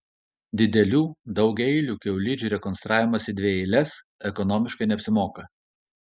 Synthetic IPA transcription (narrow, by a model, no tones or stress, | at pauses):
d̪ʲɪd̪ʲɛlʲuːd̪ɒʊɡʲɛɪlʲuːkʲɛʊlʲɪd͡ʒʲuːɾʲɛkɔnst̪ɾʔɑːʋʲɪmɐsʲɪd̪ʲʋʲeːɪlʲɛs | ɛkɔnɔːmʲɪʃkɐɪnʲɛɐpʲsʲɪmoːkɐ